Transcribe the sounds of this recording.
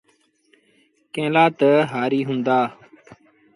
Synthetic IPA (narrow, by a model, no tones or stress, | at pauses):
kẽːlaːt̪əɦaːɾiːɦʊ̃nd̪aː